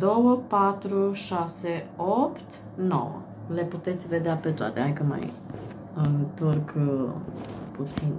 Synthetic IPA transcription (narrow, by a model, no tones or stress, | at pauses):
d̪o̞wəpat̪ɾuʃaseopt̪ | no̞̰wə̰ | le̞put̪e̞t̪sʲve̞d̪eape̞t̪oa̰t̪eakəma̰j | ɨnt̪o̞rk | put̪sin